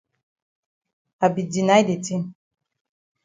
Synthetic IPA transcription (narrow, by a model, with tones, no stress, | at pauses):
a˨bi˨di˨na˦jde˨ti˦n